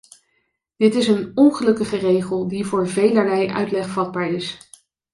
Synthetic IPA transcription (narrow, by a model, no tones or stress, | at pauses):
d̥ɪtɪsənɔnχəlɵkəχərejχəlˠdivʊːɹvejləɹlɛjʔœ̰ɥtlɛχfɑd̚baːɹɪs